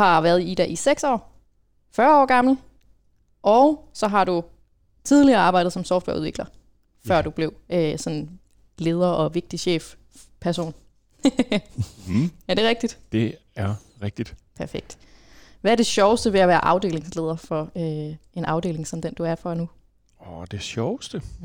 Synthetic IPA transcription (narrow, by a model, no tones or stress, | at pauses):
hɑ̈ʋæɐð̩ˠid̥æʔiseɡ̥sɒ̰ː | fɶːɐɒ̰ːɡ̥ɑ̈ml̩ | ʔɒʊsɒ̽ɦɑ̈ɾ̥u | t͡sʰið̞ˠliɐːɑ̈ːb̥ɑ̈ɪdð̩ˠsɒ̽msɒʊfd̥ʋæ̰ɐuðˠʋḛɡ̥lɐ | fɶɐ̰d̥ub̥le̝ʊøsɒ̽n | le̝ːð̞ˠɐʔɒ̽ʋe̝ɡ̥̚d̥iɕḛːf | pʰæɐso̝̰ːn | æɐd̥e̝ʁɛɡ̥̚d̥id̥d̥e̝ | æɐ | ʁɛɡ̥̚d̥id̥pʰæɐfeɡ̥̚d̥ | ʋææɐd̥e̝ɕɒʊəsd̥əʋe̝æʋæːɐʔɑ̈ʊd̥e̝̰ːle̝ŋsle̝ːð̞ˠɐfɒ̽øe̝nʔɑ̈ʊd̥e̝̰ːle̝ŋsɒ̽md̥end̥uæɐfɒnu | ɒd̥e̝ɕɒʊsd̥ə